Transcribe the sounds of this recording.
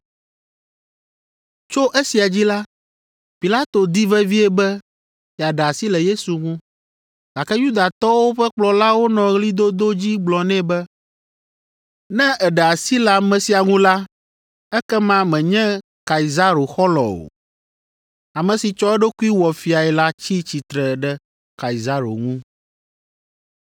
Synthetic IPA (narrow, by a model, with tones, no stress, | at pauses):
t͡ʃo˦ʔɛ˦si˨a˨d͡ʑi˦la˦ | pi˨la˦t̪o˨d̪i˦vɛ˦vi˦ɛ˦bɛ˦ | ɛ˨a˨ɖa˨si˦lɛ˨je˦su˨ŋũ˦ | ɡa˨kɛ˦ju˦d̪a˨t̪ɔ˦wo˦ɸɛ˦k͡plɔ˨la˦wo˦nɔ̃˨ɣli˦d̪o˦d̪o˦d͡ʑi˦ɡ͡blɔ˨nɛ̃˦bɛ˦ | nɛ̃˦ɛ˨ɖɛ˨a˨si˦lɛ˨a˨mɛ̃˨si˨a˨ŋũ˦la˦ | ɛ˦kɛ˦mã˦mɛ̃˨ɲɛ̃˦ | ka˨i˨za˦ɾo˨xɔ˦lɔ̰˨o̰˨ | a˨mɛ̃˨si˨t͡ʃɔ˦ɛ˦ɖo˦ku˦i˦wɔ˨fi˨a˨ɛ˨la˦t͡ɕi˦t͡ɕi˨t̪ɾɛ˨ɖɛ˦ | ka˨i˨za˦ɾo̰˨ŋũ˦